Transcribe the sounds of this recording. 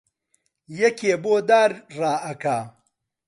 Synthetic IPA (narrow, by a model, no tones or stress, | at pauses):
jɐkeːboːd̪aːɾraːʔɐkaː